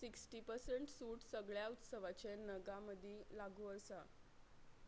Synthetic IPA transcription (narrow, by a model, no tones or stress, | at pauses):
siksʈiːpəɾseɳʈsuːʈsəɡɭjaut̪səʋat͡ɕenəɡaməd̪ʱilaɡuːəsa